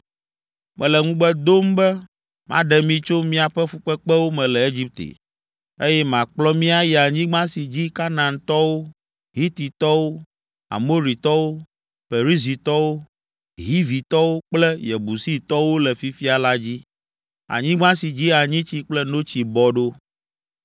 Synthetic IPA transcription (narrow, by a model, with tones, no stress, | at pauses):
mʔɛ̃˨lɛ˨ŋũ˦bɛ˦d̪o˦mbɛ˦ | mã̰˦ɖɛ˨mĩ˦t͡ʃo˦mĩ˦a˨ɸɛ˦fu˦k͡pɛ˦k͡pɛ˦wo˦mɛ̃˨lɛ˨e˦d͡ʑi˦p̚t̪ḛ˨ | e˦jɛ˦mã˨k͡plɔ˦mĩ˦a˦jɛ˨a˨ɲĩ˦ɡ͡bã˦si˨d͡ʑi˦ka˦nã˨nt̪ɔ˦wo˦ | ɦi˦t̪i˨t̪ɔ˦wo˦ | a̰˨mo˦ɾi˨t̪ɔ˦wo˦ | fe˨ɾi˦zi˨t̪ɔ˦wo˦ | ɦi˦vi˨t̪ɔ˦wo˦k͡plɛ˦jɛ˨bu˨si˦t̪ɔ˦wo˦lɛ˨fi˦fi˦a˨la˦d͡ʑi˦ | a̰˨ɲĩ˦ɡ͡bã˦si˨d͡ʑi˦a˨ɲĩ˦t͡ɕi˦k͡plɛ˦no˦t͡ɕi˨bɔ˨ɖo˦